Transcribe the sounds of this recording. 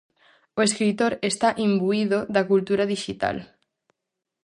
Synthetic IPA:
oeskɾit̪oɾest̪aʔimbuiðoðakult̪uɾaðiʃit̪a̰l

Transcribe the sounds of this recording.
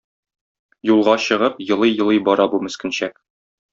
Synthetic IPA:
julˠʁɑɕɤ̆ʁɤpjɤ̆lˠɤjjɤ̆lˠɤjbɒɾɑbumɘ̆skɘ̆nɕæk̚

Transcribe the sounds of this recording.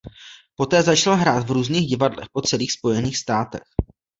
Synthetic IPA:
po̞t̪ɛːzat͡ʃalɦɾaːt̪vɾuːzniːɣɟɪvadlɛ̰xpo̞t͡sɛliːxspo̞jɛniːxst̪aːt̪ɛ̰x

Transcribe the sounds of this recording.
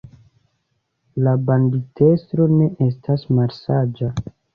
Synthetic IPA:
labandite̞stɾo̞ne̞ʔe̞s̬tasmaɾsad͡ʒa

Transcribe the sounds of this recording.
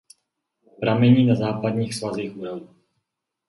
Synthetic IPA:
pɾamɛɲiːnazaːpadɲiːxsvazixuːɾavu

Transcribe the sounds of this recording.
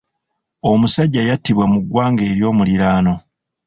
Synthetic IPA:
o̞musaɟːajatːiβwamuɡwaːŋɡe̞ːɾjo̞ːmuliɾaːno̞

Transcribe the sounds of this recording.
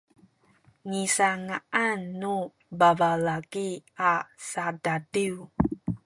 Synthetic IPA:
ŋisaŋaanːu | bavalaɡiasadadiw

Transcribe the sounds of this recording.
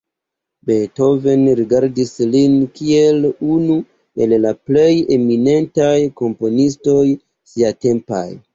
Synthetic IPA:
beto̞ve̞nɾiɡaɾdislinkie̞lunu | e̞lːaple̞je̞mine̞ntajko̞mpo̞nisto̞j | siate̞mpa̰j

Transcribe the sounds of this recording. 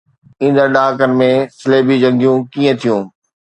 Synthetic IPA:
ĩːn̆d̪əɾɗaːkənɪ̆mẽsɪleːbid͡ʑɐ̃ŋɡijũkiːə̃t̪ʰijũː

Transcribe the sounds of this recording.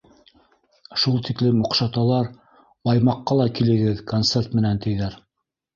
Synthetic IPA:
ʃulˠt̪iklɘmuqʃɑt̪ɑlˠɑɾ | bɑjmɑqːɑlˠɑkilɘ̆ɡɘðkont̪se̞rt̪mɘ̆nænt̪ɘ̆jðæɾ

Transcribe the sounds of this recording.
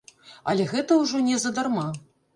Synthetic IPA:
ɐ̰lʲɛɣɛt̪ɐwʐɔnʲɛzɐd̪arma

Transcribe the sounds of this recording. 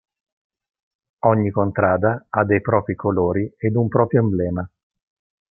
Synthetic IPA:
ɔɲːikont̪ɾaːd̪aad̪ːejpɾɔːpɾikʰoloːɾiɛd̪umpɾɔːpɾjoimblɛːma

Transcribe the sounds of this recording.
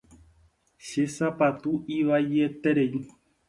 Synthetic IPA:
ʃesapat̪uʔiʋajet̪eɾej

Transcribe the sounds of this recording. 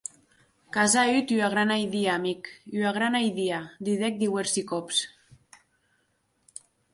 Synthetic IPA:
kazayt̪yaɣɾanajðiamikyaɣɾanajðiad̪iðek̚d̪iweɾsikops

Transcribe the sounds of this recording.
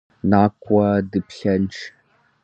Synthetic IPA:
naːkʷʼɐdɨpɬɐnʈ͡ʂʰ

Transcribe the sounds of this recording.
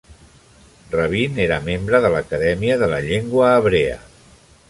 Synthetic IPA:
rəβ̞ineɾəmembɾəðələkəðɛmiəðələʎeŋɡwəːβɾeə̰

